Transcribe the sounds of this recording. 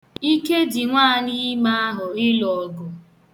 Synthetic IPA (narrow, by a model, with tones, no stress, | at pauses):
i˦ke˦di˨ŋʷaː˦˨ni˦ma˦a˦ɦʊ˨ɪ˦lɔ˨ɡʊ˨